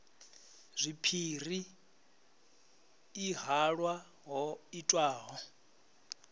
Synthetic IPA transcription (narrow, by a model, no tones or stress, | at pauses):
zʷipʰiri | ɦaɺwa | ɦɔitʼwaːɦɔ